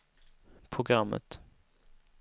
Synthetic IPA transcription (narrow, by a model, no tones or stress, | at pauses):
pʰɾʊɡɾamːə̰t̪